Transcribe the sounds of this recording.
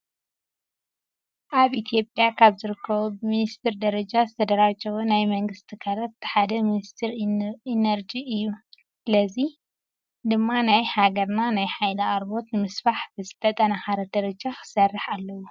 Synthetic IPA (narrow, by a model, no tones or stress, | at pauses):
ʔaβʔit̪ʰijo̞pʼjakʰaβzɨɾɨkʰːɐβubɨminist̪ʰɨɾd̪ɐɾɐd͡ʒazɨt̪ʰɐd̪ɐɾat͡ʃʼɐwunajmɐŋɡɨst̪ʰikʰɐɾɐtːħad̪ɐminist̪ʰɨɾinɐɾd͡ʒiɨjːu | sɨlɐzi | d̪ɨmːanajhaɡɐɾnanajħajlɐaɾbo̞t̪nɨmɨsfaħbɨzɨt̪ʰɐt̪ʼɐnaxaɾɐd̪̥ɐɾɐd͡ʒaxɨ̥sɐrːɨħalːɐwo